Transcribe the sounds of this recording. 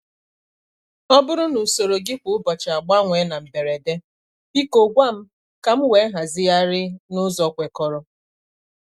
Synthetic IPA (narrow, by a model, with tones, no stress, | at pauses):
ɔ˦bʊ˦ɾʊ˦nu˨so˨ɾo˨ɡɪ˦kʷʊ˦ʊ˦bɔ˨t͡ʃa˨a˨ɡ͡ba˦ŋʷe˨˦na˨m̩˨be˨ɾe˨de˦ | i˦ko˨ɡʷa˦m̩˦ | ka˨m̩˦wʷe˨˦ɦa˨zɪ˦ja˦ɾɪ˦nʊ˦zɔ˨˦kʷe˨kɔ˨ɾɔ˦